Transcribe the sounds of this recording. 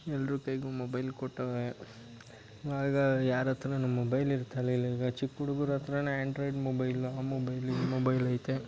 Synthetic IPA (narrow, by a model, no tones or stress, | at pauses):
ɛlːɐɾukɐjɡumobɐjlkɔʈːɐʋe | aːɡɐjaːɾɐt̪ɾɐnɐmobɐjliɾt̪ʰɐliliːɡɐt͡ʃikːuɽuɡuɾɐt̪ɾɐneːaɳɖɾojɖmobɐjlaːmobɐjlimobɐjlɐjt̪e